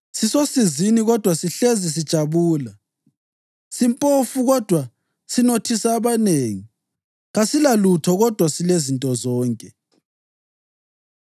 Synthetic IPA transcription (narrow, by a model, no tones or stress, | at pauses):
sisosiziniɣɔd̥ʱwasiɬezis̬id̥ʒ̥ʱaβuːla | simpʼofuɣɔd̥ʱwa | sinotʰisaːβaneːŋi | ɣasilalutʰɔɣɔd̥ʱwasilezintʼɔzɔːŋkʼɛ